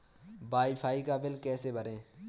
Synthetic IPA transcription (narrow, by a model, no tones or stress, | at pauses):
baːifʰaːikabɪlkɛːsebɐɾẽː